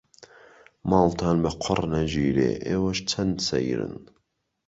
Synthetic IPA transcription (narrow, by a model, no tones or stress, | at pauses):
mɑːlt̪ʰaːnbəqʰʊrnɐʒiːɾḛːʔeːwɐʃt͡sʰɐnd̪sɛ̰jɾɨ̰n